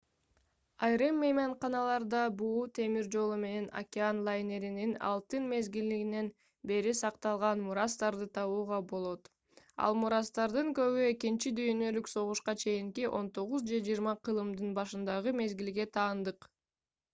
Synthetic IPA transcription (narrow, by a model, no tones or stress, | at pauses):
ɑjɾɯmːejmɑɴqɑnɑlˠɑɾd̪ɑbuːt̪ʰe̞miɾd͡ʒo̞lˠume̞ne̞na̰kʲɪanlˠajne̞ɾininɑ̰lˠt̪ɯnme̞zɡild̪iɡine̞n | be̞ɾisɑqt̪ɑlˠʁɑnmuɾɑst̪ɑɾd̪ɯt̪ʰɑβuːʁɑbo̞lˠo̞t̪ | ɑ̰lˠmuɾɑst̪ɑɾd̪ɯŋkø̞βye̞kint͡ʃid̪yjønølykso̞ʁuʃqɑt͡ʃʰe̞jiŋkiʔo̞̰nt̪o̞ʁuzd͡ʒe̞d͡ʒijɾmɑqʰɯlˠɯmd̪ɯnbɑʃɯnd̪ɑʁɯme̞zɡilɡe̞t̪ʰɑːnd̪ɯq